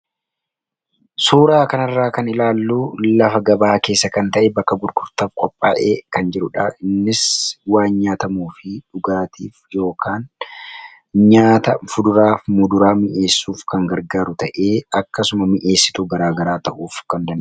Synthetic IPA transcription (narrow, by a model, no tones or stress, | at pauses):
suːɾaːkɐnɐrːaːkɐnɪlaːlːuːlɐfɐɡɐbaːke̞ːsːɐkɐnt̪ɐʔɛbɐkːɐɡʊɾɡʊɾt̪ɐbkʼɔpʼːaːʔe̞ːkɐnd͡ʒɪɾʊᶑaːɪnːɪswaːnɲaːt̪ɐmuːfɪᶑʊɡaːt̪ʰḭːfjo̞ːkʰaːn | ɲaːt̪ɐfʊd̪ʊɾaːfmʊd̪ʊɾaːmɪʔe̞ːsːuːfkɐŋɡɐɾɡaːɾʊt̪ɐʔe̞ːɐkːɐsʊmɐmɪʔe̞ːsːɪ̥t̪uɡɐɾaːɡɐɾaːt̪ɐʔuːfkɐnd̪ɐn